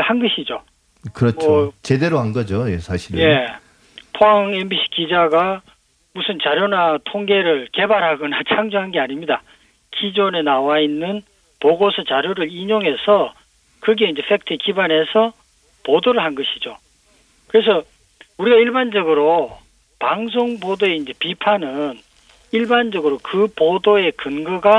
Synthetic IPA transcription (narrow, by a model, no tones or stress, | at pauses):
hanɡʌɕʰid͡ʑo | kɯɾʌmt͡ɕʰʌot͡ɕe̞deɾoɦanɡʌd͡ʑojesʰaɕʰiɾɯje̞ | pʰoaŋembiɕʰi̥kid͡ʑaɡa | musʰɯnt͡ɕaɾjonatʰoŋɡe̞ɾɯɭke̞baɾɦaɡʌnat͡ɕʰaŋd͡ʑuɦanɡeaɲimɲida | kid͡ʑonenawainːɯn | poɡosʰʌt͡ɕaɾjoɾɯɾiɲoŋɦesʰʌ | kɯɡe̞ind͡ʑe̞ɸʰek̚tʰɯkibanɦe̞sʰʌ | podoɾɯɭɦanɡʌɕʰid͡ʑo | kɯɾe̞s̬ʰʌ | uɾiɡaiɭband͡ʑʌɡɯɾo | paŋs̬ʰoŋbodoe̞ind͡ʑe̞pipʰanɯn | iɭband͡ʑʌɡɯɾokɯpodoe̞kɯnɡɯɡa